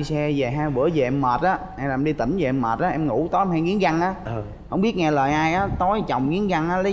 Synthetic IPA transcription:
sɛ˧ve˨˩ɦaː˧jvɨ̰˧˩əve˨˩ʔɛ˧mməː˨˩t̚ʔaː˨˦na˧˩˨ʔɛ˧mɗi˧t̪i˧˩nve˨˩ʔɛ˧mːaː˨˩t̚ʔaː˨˦ʔɛ˧mŋṵ˧˩˥t̪o˨˦jmhaː˧jŋi˨˦ənza˧ŋʔaː˨˦ | hə˧˥wŋ͡mɓi˦˥ət̚ŋɛ˧ləː˨˩jʔaː˧jʔaː˨˦t̪o˨˦jt͡ɕə˨˩wŋ͡mɣi˨˦ənza˧ŋʔaː˨˦lə˨˦

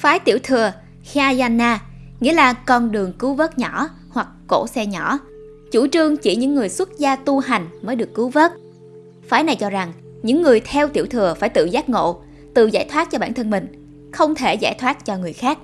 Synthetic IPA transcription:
faː˨˦jt̪i˧˩əwt̪ʰɨ˨˩ə | xa˧jaː˧nːaː˧ | ŋḭ˧˥əlaː˨˩kɔ˧˩nɗɨ˨˩əŋkɨ˨˦wvəː˦˥t̚ɲɔ˧˩˥ | hwa˨˩k̚ːo̰˧˥sɛ˧ɲɔ̰˧˩˥ | t͡ɕu˧˩t͡ɕɨ˧əŋt͡ɕi˧˩ɲɨ̰˧˥ŋːɨ˨˩əjswə˦˥t̚zaː˧t̪u˧ɦa˨˩jŋ̟məː˨˦jɗɨ˨˩əkːɨ˨˦wvəː˦˥t̚ | faː˨˦jna˨˩jt͡ɕɔ˧za˨˩ŋ | ɲɨ̰˧˥ŋːɨ˨˩əjt̪ʰɛ˧wt̪i˧˩əwt̪ʰɨ˨˩əfaː˧˩jt̪ɨ̰˧˨zaː˦˥t̚ŋo̰˧˨ | t̪ɨ̰˧˨zaː˧˩jt̪ʰwaː˦˥t̚t͡ɕɔ˧ɓaː˧˩nt̪ʰə˧nmï˨˩ŋ̟ | xə˧wŋ͡mt̪ʰe˧˩za̰ː˧˩jt̪ʰwaː˦˥t̚t͡ɕɔ˧ŋɨ˨˩əjxaː˦˥k̚

